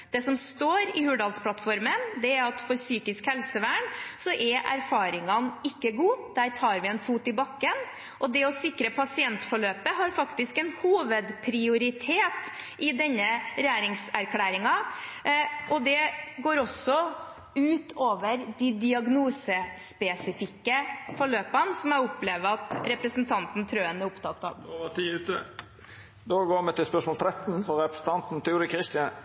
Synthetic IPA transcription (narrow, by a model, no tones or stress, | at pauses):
d̪̥ɛsɔmst̪oːɾɪhʉːɖɑːlspʰlɑt̪fɔɾmənd̪ɛæɾɑt̪fɔɾsyːkɪskhɛlsəʋæːɳsɔʔɛʔæ̰ɾfɑːɾɪŋɑnɪkːəɡuːd̪æːɾt̪ʰɑːɾʋɪɛnfuːt̪ɪbɑkːən | ʔɔd̪ɛɔsɪkɾəpʰɑsɪɛnt̪fɔɭøːpəɦɑɾfɑkt̪ɪskɛnhuːʋəd̪pʰɾɪʊɾɪt̪ʰeːt̪ | ʔɪd̪ɛnːəɾæːɾɪŋsæɾkʰlæːɾɪŋɑ | ʔɔd̪ɛɡoːɾɔsːɔ | ʉːt̪ʰoːʋəɾd̪id̪ɪɑɡnuːsəspɛsɪfɪkːəfɔɭøːpənsɔmæɪʊpleːʋəɑt̪ɾɛpɾəsn̩t̪ʰɑnt̪n̩t̪ʰɾøːənæɾʊpt̪ʰɑt̪ːɑ̰oʋɑt̪ʰiʉːt̪ə | d̪oːɡoːmɛt̪ɪlspœʂsmɔːlt̪ʰɾɛt̪n̩fɔɾɛpɾə̥sn̩t̪ɑnt̪n̩t̪ʰɛuːɾɪkʰɾɪst̪ɪɑn